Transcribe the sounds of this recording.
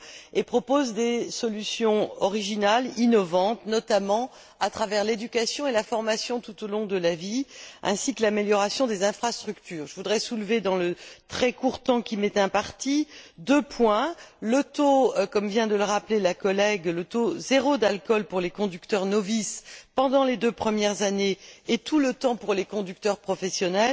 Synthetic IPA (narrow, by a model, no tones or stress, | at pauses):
epχɔpozd̪esɔlysjɔ̃ɔʁiʒinalinɔvɑ̃t̪nɔt̪amɑ̃ | at̪χavɛʁled̪ykasjɔ̃elafɔʁmasjɔ̃t̪ut̪olɔ̃d̪əlaviɛ̰̃sikəlameljɔʁasjɔ̃d̪ezɛ̃fχast̪χykt̪yːʁʒəvud̪ʁɛsulved̪ɑ̃lət̪χɛkuʁt̪ɑ̃kʲimɛt̪ɛ̃paʁt̪id̪øpwɛ̃lot̪okɔmvjɛ̃d̪ələʁaplelakɔlɛɡlot̪ozeʁod̪alkɔlpuʁlekɔ̃d̪ykt̪œʁnɔvispɑ̃d̪ɑ̃led̪øpχəmjɛʁzaneːt̪ʰulət̪ɑ̃puʁlekɔ̃d̪yk̚t̪œʁpχɔfɛsjɔnɛl